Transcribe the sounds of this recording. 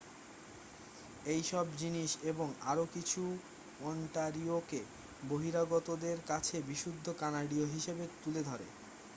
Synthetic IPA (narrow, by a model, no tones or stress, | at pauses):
ejʃɔbd͡ʑiniʃeboŋaɾokit͡ɕʰu | ɔɳʈaɾioke | boɦiɾaɡɔt̪od̪eɾkat͡ɕʰebiʃud̪ʱːokanaɖioɦiʃebet̪uled̪ʱɔɾḛ